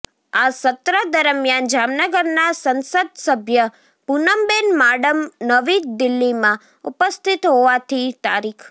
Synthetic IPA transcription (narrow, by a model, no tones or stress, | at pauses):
asət̪ɾəd̪əɾmjand͡ʒamnəɡəɾnasənsəd̪̚səbʱjə | punəmbenmaɖəmnəʋid̪ɪlːimã | ṵpəst̪ʰit̪ɦoʋat̪ʰit̪aɾikʰ